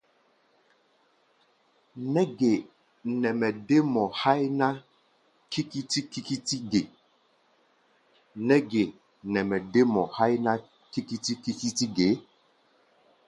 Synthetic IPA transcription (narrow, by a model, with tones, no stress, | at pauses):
nɛ˦ɡe˨ | nɛ˨mɛ˨de˦mɔ˨ha˦jna˦ | ki˦ki˦ti˦ki˦ki˦ti˦ɡe˨ | nɛ˦ɡe˨ | nɛ˨mɛ˨de˦mɔ˨ha˦jna˦ | ki˦ki˦ti˦ki˦ki˦ti˦ɡe˨˦